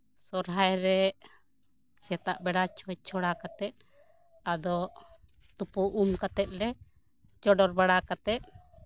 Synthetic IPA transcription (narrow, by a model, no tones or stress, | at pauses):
sɔɾɦajɾɛ | sɛt̪aʔbɛɽat͡ʃʰɔt͡ʃʰɔɽakat̪ɛt̪̚ | ad̪ɔ | t̪upɔʔumkat̪ɛt̪̚lɛ | t͡ʃɔɖɔɾbaɽakat̪ɛt̪̚